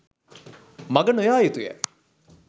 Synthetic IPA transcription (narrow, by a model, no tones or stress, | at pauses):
mɐɡənojaːjit̪ujɛ̰